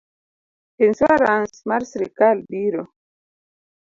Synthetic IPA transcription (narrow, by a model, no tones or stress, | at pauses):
enswaɾansmaɾsɾekalbiɾo